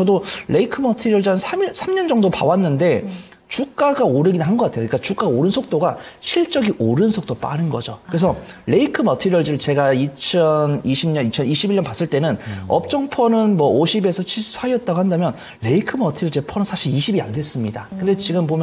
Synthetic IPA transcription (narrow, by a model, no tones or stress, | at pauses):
ʌdoɭʔe̞ikʰɯmʌtʰiɾjʌɭd͡ʑaɯnsʰamsʰamɲʌnd͡ʑʌŋdopa̰wanːɯnde̞ | t͡ɕuk͈aɡaoɾɯɡinɯnɦanɡʌkatʰejoɲikat͡ɕuk͈aɡaoɾɯnsʰok̚t͈oɡaɕʰiɭt͡ɕ͈ʌɡiʔoɾɯnsʰok̚t͈op͈a̰ɾɯnɡʌ̰d͡ʑokɯɾe̞sʰʌɭe̞ikʰɯmʌtʰiɾjʌɭd͡ʑiɾɯɭt͡ɕe̞ɡait͡ɕʰʌniɕʰimɲʌnit͡ɕʰʌniɕʰibiɭɲʌnpas͈ɯɭt͈e̞nɯnʌp̚t͡ɕ͈ʌŋpʰʌnɯnmwʌoɕʰibe̞sʰʌt͡ɕʰiɭɕʰi̥p̚s͈ʰaijʌt̚t͈aɡohandamjʌn | ɭe̞ikʰɯmʌtʰiʌɭd͡ʑepʰʌnɯnsʰaɕʰiɾiɕʰibiandwe̞s͈ɯmɲidakɯnde̞t͡ɕiɡɯmp̬omjʌ